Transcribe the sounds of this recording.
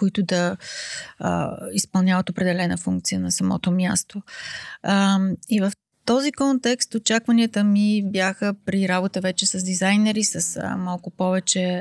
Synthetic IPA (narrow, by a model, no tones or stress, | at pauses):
koit̪ʊd̪ɐ̰ | ispɐlˠnʲjavət̪opɾɛd̪ɛlɛnəfuŋk̚t̪sijənɐsɐmɔ̰t̪omʲjast̪o | ivəf | t̪ɔzikɔnt̪ɛkst̪ot͡ʃakvɐniət̪əmibjaxəpɾiɾabot̪əvɛt͡ʃɛsəzd̪izajnɛɾisəsə̰malˠkʊpɔvɛt͡ʃɛ